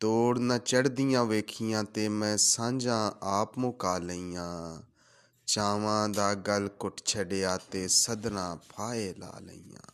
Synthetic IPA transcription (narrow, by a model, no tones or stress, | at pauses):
t̪oːɽnət͡ʃəɽd̪ɪjãːʋeːkʰɪjãːt̪eːmɛ̃ːsãːɲd͡ʒãːaːpmʊkaːləiːãː | t͡ʃaːʋãːd̪aːɡəlkʊʈʰt͡ʃʰəɖeːaːt̪eːsəd̪nãːpʰaːeːla̰ːlə̰iːã̰ː